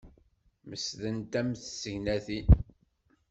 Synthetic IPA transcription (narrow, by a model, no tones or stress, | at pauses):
məsðənt̪æmθsəʝnæθi